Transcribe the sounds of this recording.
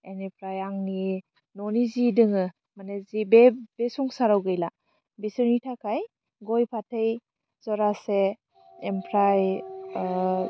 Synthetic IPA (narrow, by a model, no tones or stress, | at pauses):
enipʰɾajaŋni | nɔnizidɯŋɯ | manezibeb̥esɔŋsaɾawɡɯjla | bisɯɾnitʰakʰaj | ɡɔjpʰatʰej | zɔɾaseː | mpʰɾaj